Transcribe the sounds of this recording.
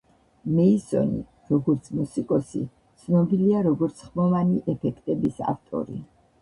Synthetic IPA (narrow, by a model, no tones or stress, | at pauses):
mɛisɔ̰nḭ | ɾɔɡɔɾt̪sʰmusikʼɔsḭ | t̪sʰnɔbiliaɾɔɡɔɾt̪sʰχmɔvaniʔɛpʰɛkʰt̪ʼɛbisa̰ft̪ʼɔ̰ɾḭ